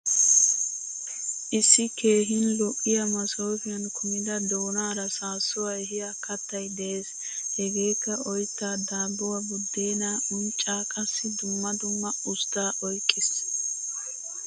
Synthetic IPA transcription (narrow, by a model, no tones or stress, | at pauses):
ʔɪsːɪke̞ːɦɪnlɔʔɪjɐmɐsɔːfɪjɐnkʰʊmɪd̪ɐd̪oːnaːɾɐsaːsːɔwɐjɦɪjɐkʰɐt̪ːɐjd̪ɛeːs | hɛɡe̞ːkːɐʔɔjt̪ːaːd̪aːbːʊwɐbʊd̪ːeːnaːʊnt͡ʃʼːaːkʼɐsːɪd̪ʊmːɐd̪ʊmːɐʊst̪ːaːʔɔjkʼːɪs